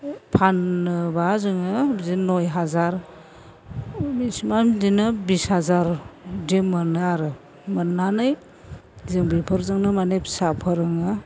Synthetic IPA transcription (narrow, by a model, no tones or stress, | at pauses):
pʰanɯbazɯŋɯzinojɦazaɾ | bismamzinɯbishazaɾdemanɯaɾɯ | manːanɯj | zɯŋbipʰɯɾzɯŋnɯmanepsapʰaɾɯŋɯ